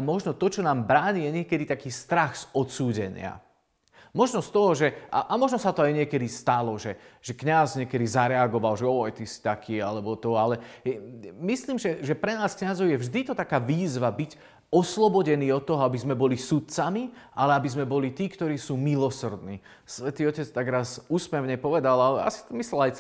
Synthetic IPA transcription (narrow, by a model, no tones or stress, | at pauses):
amɔʒnɔt̪ɔt͡ʃɔnaːmbɾaːɲijɛɲɪɛkɛd̪it̪akiːst̪ɾaxz̥ɔt̪suːɟɛ̰ɲɪ̰a̰ | mɔʒnɔst̪ɔɦɔʒɛʔa̰ʔamɔʒnɔsat̪ɔajɲɪɛkɛd̪ist̪alɔʒɛʒ̥ɛkɲazɲɪɛkɛd̪izaɾɛaɡɔʋalʒɛɔjɛt̪isi̥t̪akʰiːalɛbɔt̪ɔalɛ | misliːmʒɛʒɛpɾɛnaːskɲazɔʊjɛvʒd̪it̪ɔt̪akaːʋiːzʋabiɟ | ɔslɔbɔɟɛniːɔt̪ːɔɦɔabizmɛbɔlisut̪̚t͡samiʔalɛabizmɛbɔlit̪iːkt̪ɔɾiːsuːmilɔsrd̪nḭː | sʋɛt̪iːɔcɛt͡st̪aɡɾaːzuːsmɛʊɲɛpɔʋɛd̪alalɛa̰si̥t̪ɔmislɛlaj